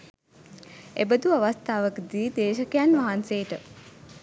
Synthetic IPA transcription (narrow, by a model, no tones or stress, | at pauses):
ebəd̪uaʋast̪aːʋəkd̪iːd̪eːʃəkejanʋaɦanseːʈə